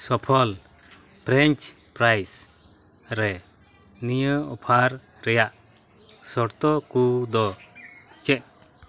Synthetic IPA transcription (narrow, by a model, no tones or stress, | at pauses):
sɔpʰɔl | pɾɛɲt͡ʃ | pɾajs | ɾɛ | nijəɔpʰaɾɾɛjaʔ | sɔɾt̪ɔkud̪ɔ | t͡ʃɛʔ̚